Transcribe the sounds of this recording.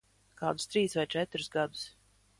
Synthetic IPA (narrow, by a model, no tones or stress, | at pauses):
kaːd̪ʊst̪ɾiːsvajt͡ʃɛt̪ɾusɡad̪u̥s